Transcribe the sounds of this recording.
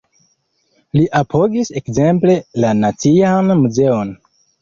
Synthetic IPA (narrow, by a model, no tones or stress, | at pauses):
liʔapʰo̞ɡise̞kze̞mple̞lanat͡sianmuze̞o̞n